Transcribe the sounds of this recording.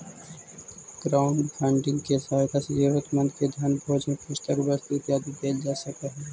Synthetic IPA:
ɡ̥ɾaːʊɳɖbʰɛ̃ːɳɖɪ̃ŋɡkesaːɪt̪asejuʋət̪mə̃nd̪ked̪ʱjanbʱoːd͡ʒnẽpʊt͡ʃt̪əkbəst̪it̪jaːd̪ibeːd͡ʒaːsəkeɦɛː

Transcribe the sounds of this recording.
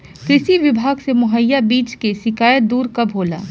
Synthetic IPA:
kɾɪʃiʋɪbʱaːɡsemʊɦəjːabiːt͡ʃkesɪkaːjət̪̚d̪uːɾkɐbʱoːla̰ː

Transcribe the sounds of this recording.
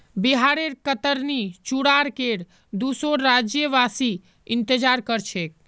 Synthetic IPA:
biɦaɾeɾkət̪əɾnit͡ʃuɽaɾkeɽ | d̪usoɾːad͡ʒjəʋasi | int̪əd͡ʒaɾkəɾt͡ʃʰek̚

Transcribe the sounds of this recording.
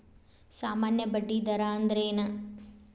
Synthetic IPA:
saːmaːnjɐbɐɖːid̪ɐɾaːɐnd̪ɾeːnɐ

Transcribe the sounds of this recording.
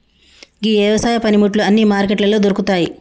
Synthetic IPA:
ɡiɛːʋɐsaːjɐpɐnimuʈluɐnːimaːɾk̬eʈlɐloːd̪oɾukut̪aːji

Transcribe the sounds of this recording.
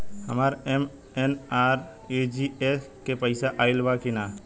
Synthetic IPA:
həmaːɾem | enaːɾ | ed͡ʒieskepəɪsaʔaːɪlʋakinaː

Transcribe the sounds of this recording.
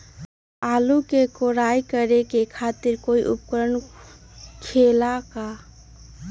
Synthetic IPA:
alukekoɾajkəɾekekʰat̪iɾkoiʔṵpkəɾən | kʰelaka

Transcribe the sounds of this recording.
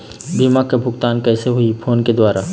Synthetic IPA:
biːmakabʱʊɡt̪aːnkɛːseɦʊipʰoːnked̪waːɾa

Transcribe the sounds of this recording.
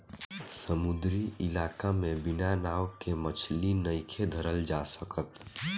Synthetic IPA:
səmʊd̪ɾiʔɪlaːkamẽbɪnanaːwkemət͡ʃʰlinəɪkʰed̪ʱəɾəld͡ʒasəkət̪

